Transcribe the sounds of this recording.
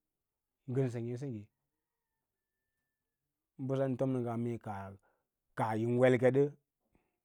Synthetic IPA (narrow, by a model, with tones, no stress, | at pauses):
ŋ˦ɡə˦ns̬e˨ŋe˨˦s̬i˦ɡi˨ | m̩˦bu˦sa˦n̩˨to˦mnə˨ɡa˨me˨ka˨ | ka˨ji˨n˦we˦lke˦ɗə˦